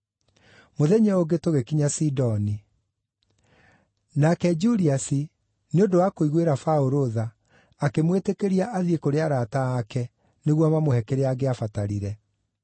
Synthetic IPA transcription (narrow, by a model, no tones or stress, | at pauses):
moðɛɲɛoɡetoɣekiɲasidɔni | nakɛd͡ʒuɾiasi | neodowakoiɣweɾafaoɾoðaː | kemwetekeɾiaʔaðiekoɾeaɾataakɛ | neɣwamamohɛkeɾeaɡeafataɾiɾɛ